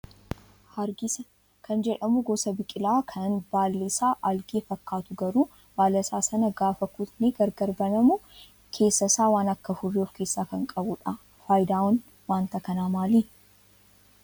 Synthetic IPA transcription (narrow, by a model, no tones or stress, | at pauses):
hɐɾɡɪsɐ | kʰɐnd͡ʒɛᶑɐmʊɡɔsɐbɪkʼɪlaːkʰɐnbaːlːɪsaːʔɐlɡeːfɐkːaːt̪ʊɡɐɾuː | b̥aːlːɐsaːsɐnɐɡaːfɐkʊt̪neɡɐɾɡɐɾbɐnɐmʊ | kʰe̞ːsːɐsaːwaːnɐkːɐfʊrːiɔfke̞ːsːaːkɐŋkʼɐbʊᶑɐ | faːjd̪aːwɔn | waːnt̪ɐkɐnaːmaːliː